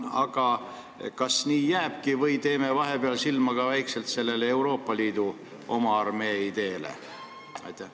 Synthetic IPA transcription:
ɑ̰ɡ̥ɑ | kɑsniːjæːb̥kivɤjt̪e̞ːme̞vɑɦepeɑlsilmɑɡ̥ɑvæjkse̞lt̪se̞lːe̞leewɾo̞ːpːˑɑliːd̪̥u | ʔo̞mɑɑrme̞ːid̪̥e̞ːlḛ | ɑ̰jt̪ːˑæh

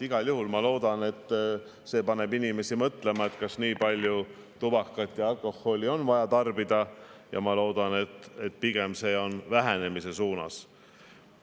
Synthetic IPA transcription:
iɡ̥ɑljuhulmɑlo̞ːd̪̥ɑne̞t̪ː | se̞ːpɑne̞binime̞simɤt̪le̞mɑe̞t̪kɑsniːpɑlʲju | t̪ubɑkːˑɑt̪ːˑjɑɑlko̞hːo̞lʲio̞nvɑjɑt̪ɑrbid̪̥ɑjɑ̰mɑlo̞ːd̪̥ɑne̞t̪ːˑet̪̚ˑpiɡ̥e̞mse̞ːo̞nvæɦene̞mise̞suːnɑ̰s

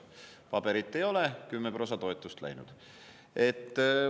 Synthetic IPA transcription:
pɑbe̞ɾit̪ːe̞jo̞lekymːepro̞sɑt̪o̞et̪ːˑust̪læ̰jnṵd̪̥ | et̪ː

